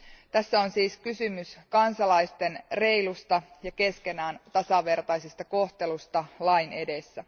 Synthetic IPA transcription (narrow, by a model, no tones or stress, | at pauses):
t̪æsːæonsiːskysymyskɑnsɑlɑjst̪e̞nre̞ilust̪ɑjɑke̞ske̞næːnt̪ɑsɑʋe̞rt̪ɑjsest̪ɑko̞ht̪e̞lust̪ɑlɑine̞desːæ